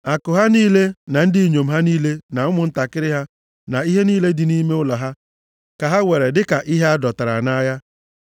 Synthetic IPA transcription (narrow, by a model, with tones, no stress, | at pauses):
a˨kʊ˨ɦa˦niː˦le˦na˨n̩˦di˦˨ɲo˨m̩˨ɦa˦niː˦le˦na˨ʊ˦mʊ˨n̩˦ta˨kɪ˦ɾɪ˦ɦa˦ | na˨i˦ɦe˦niː˦le˦dɪ˨niː˦me˦ʊ˦la˨ɦa˦ | ka˨ɦa˦we˨ɾe˨dɪ˦ka˨ʔi˦ɦe˦a˦dɔ˨ta˨ɾa̰˨na˦a˦ja˦